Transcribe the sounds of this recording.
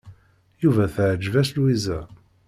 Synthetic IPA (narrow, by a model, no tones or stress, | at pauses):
juvæθʕəd͡ʒvæslwizæ